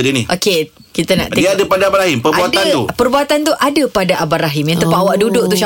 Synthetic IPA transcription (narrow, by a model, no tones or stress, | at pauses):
diniʔoke | kit̪əna̰ʔt̪idiadəpadaabaɾaɦimpəɾbuatd̪ant̪upərbuat̪ant̪uʔadəpadaʔabaɾaɦɪmjãnt̪upawaʔdudʊʔt̪uʃa